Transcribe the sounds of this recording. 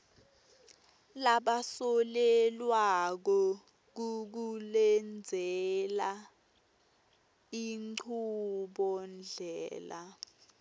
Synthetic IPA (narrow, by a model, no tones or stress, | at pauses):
laɓasɔlɛlwak̬ɔ | k̬uk̬ulɛnd͡zʱɛla | iŋǀʰuɓɔnd͡ɮʱɛːla